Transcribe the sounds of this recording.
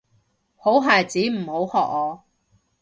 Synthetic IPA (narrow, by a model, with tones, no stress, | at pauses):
ho˨˥wɦaː˨jt͡siː˨˥m̩˨˩ho˨˥whɔː˨k̚ɔː˨˧